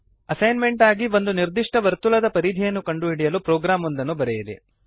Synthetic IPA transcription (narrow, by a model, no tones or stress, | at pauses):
ɐsɐjnme̞ɳʈaːɡiʋo̞nd̪uniɾd̪iʂʈɐʋɐɾt̪ulɐd̪ɐpɐɾid̪ʱijɐnːukɐɳɖuɦiɽijɐlupɾoːɡɾaːmond̪ɐnːubɐɾɛjid̪ḛ